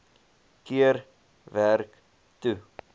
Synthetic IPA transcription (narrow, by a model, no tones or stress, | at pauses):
kiər | værk | tu